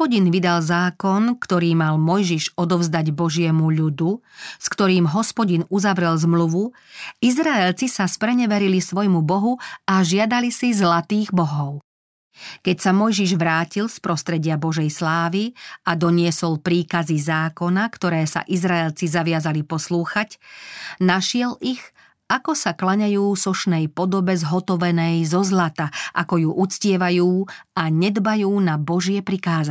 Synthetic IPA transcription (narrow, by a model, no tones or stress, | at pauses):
pɔɟinʋid̪alzaːkɔnkt̪ɔɾiːmalmɔjʒiʒɔd̪ɔvzd̪aɟbɔʒɪɛmuʎud̪uskt̪ɔɾiːmɦɔspɔɟinuzaʋɾɛlzmluʋu | izɾaɛlt͡sisaspɾɛɲɛʋɛɾilisʋɔjmubɔɦuaʒɪad̪alisizlat̪iːɣbɔɦɔʊ | kɛcsamɔjʒiʒʋɾaːcilspɾɔst̪ɾɛɟɪabɔʒɛjslaːʋiad̪ɔɲɪɛsɔlpɾiːkazizaːkɔnakt̪ɔɾɛːsa̰ʔizɾaɛlt͡sizaʋɪazalipɔsluːxac | naʃɪɛliɣ | ʔakɔsaklaɲajuːsɔʃnɛjpɔd̪ɔbɛzɦɔt̪ɔʋɛnɛjzɔzlat̪aʔakɔjuʔut͡scɪɛʋajuːaɲɛd̪bajuːnabɔʒɪɛpɾikaːza